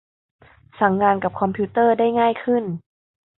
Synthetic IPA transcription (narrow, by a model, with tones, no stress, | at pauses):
sa˨˩˦ŋːaː˧nka˨˩p̚kʰɔ˧mpʰiː˧˦˥t̪ɤː˥˩daː˥˩jŋaː˥˩jkʰɯ˥˩n